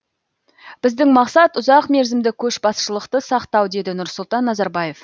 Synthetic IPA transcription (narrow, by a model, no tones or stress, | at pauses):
b̥ɪzd̪ɪŋmɑqsɑt̪ʊzɑqme̞ɾzɪmd̪ɪkʲʰɵʃbɑsʃəlˠəqt̪əsɑqt̪ɑwd̪e̞d̪ɪnʊɾsʊlˠt̪ɑnːɑzɑɾbɑje̞f